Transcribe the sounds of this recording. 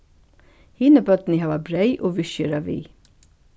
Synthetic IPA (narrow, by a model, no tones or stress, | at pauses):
hɪnəbœt̪nɪhɑːʋabɾeɪʔoːʋʏʃəɾɑʋḭː